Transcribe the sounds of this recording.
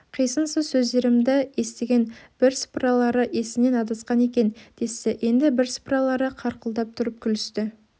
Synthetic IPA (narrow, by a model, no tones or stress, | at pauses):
qʰijsənsəzsɵzd̪e̞ɾɪmd̪ɪje̞st̪e̞ɡʲe̞nb̥ɪɾsprɑlˠɑɾəʔe̞sɪne̞nɑd̪ɑsqɑne̞kʲe̞nd̪̥e̞sɪʔje̞nd̪ɪbɪɾspɾɑlˠɑɾəqʰɑɾqəlˠd̪ɑp̚t̪ʰʊɾəp̚kʲʰʏlʏst̪ɪ